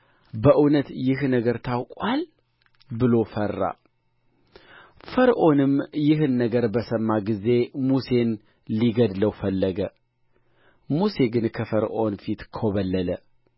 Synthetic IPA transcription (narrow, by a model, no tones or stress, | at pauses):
bəʔɨnət̪jɪhnəɡəɾt̪ʰawkʼwal | bɨlo̞fərːa̰ | fəɾʔo̞nɨmjɪɦɨnːəɡəɾbəsəmːaɡize̞muse̞n | liɡəd̪ləwfəlːəɡə | muse̞ɡɨnkʰəfəɾʔo̞nfit̪kʰoβəlːələ